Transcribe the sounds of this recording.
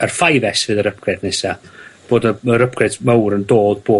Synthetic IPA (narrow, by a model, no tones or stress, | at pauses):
ərfajvɛsvɨːðəɾəp̚ɡ̥rɛdnɛsab̥oːdəəɾəp̚ʰɡ̥rɛdmawɾəndoːdboː